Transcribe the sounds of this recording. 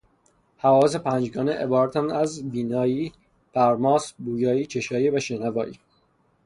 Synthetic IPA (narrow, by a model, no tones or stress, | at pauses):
hævɒːsepʰæːnd͡ʒɡɒːneʔebɒːɾæt̪ʰænæzbiːnɒːjiː | pʰæɾmɒːsbuːjɒːiːt͡ʃʰe̞ʃɒːjivæʃenævɒːʔiː